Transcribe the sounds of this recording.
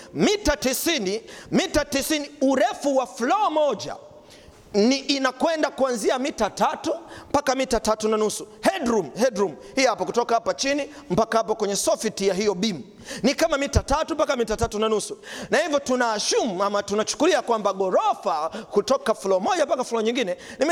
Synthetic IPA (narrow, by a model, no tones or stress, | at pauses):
mitatisinimitatisiniuɾɛfuwaflɔɔmɔʄa̰ | niʔːnakwɛndakuanziamitatatum̩pakamitatatunanusuhɛdɾumhɛdɾumhihapɔkutɔkahapat͡ʃini | m̩pakahapɔkwɛɲɛsɔfitijaɦijɔɓimu | nikamamitatatumpakamitatatunanusunahivjɔtunaːʃumuamatunat͡ʃu̥kuliakwambaɡɔɾɔfakutɔkaflɔɔmɔʄampakaflɔɔɲiŋɡinɛnim